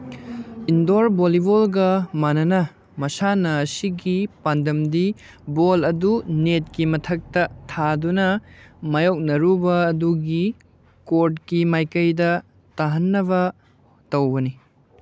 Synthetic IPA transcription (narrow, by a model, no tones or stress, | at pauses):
indoɾbolibolɡɐmanɐnɐ | mɐsanɐːsiɡipandɐmdi | bolɐdunet̚kimɐtʰɐk̚tɐtʰadunɐmɐjok̚nɐɾubɐːduɡi | koɾt̚kimajkɐjdɐ | taɦɐnːɐβɐ | tɐwbɐni